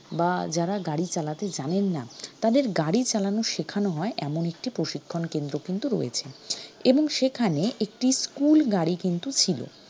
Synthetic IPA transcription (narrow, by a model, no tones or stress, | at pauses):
bad͡ʑaɾaɡaɽit͡ɕalat̪ed͡ʑanenːat̪ad̪eɾɡaɽit͡ɕalanoʃekʰanoɦɔeʔɛmonek̚ʈipɾoʃikʰːonkend̪ɾokint̪uɾɔ̰jḛt͡ɕʰeeboŋʃekʰaneʔek̚ʈiskulɡaɽikint̪ut͡ɕʰilo̰